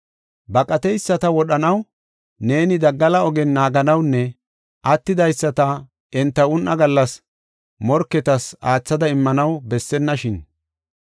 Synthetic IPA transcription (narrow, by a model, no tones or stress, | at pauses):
bɐkʼɐt̪ɛjsːɐt̪ɐwɔɗɐnɐw | ne̞ːnɪd̪ɐɡːɐlɐɔɡɛnːaːɡɐnɐwnːɛ | ʔɐt̪ːɪd̪ɐjsːɐt̪ɐ | ɛnt̪ːɐʊnʔːɐɡɐlːɐs | mɔɾkːɛt̪ɐsaːt͡sːɐd̪ɐɪmːɐnɐwbɛsːɛnːɐʃɪn